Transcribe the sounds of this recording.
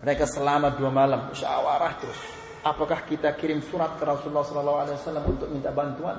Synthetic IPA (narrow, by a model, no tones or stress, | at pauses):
məɾekasəlamaduamalamʃa̰waɾaht̪əɾʊs | ʔapakahkit̪akiɾɪmsuɾat̪̚kəɾɔsululːahsɔlɔlːaɦualawasalːamṵnt̪ʊk̚mint̪aʔbant̪ua̰n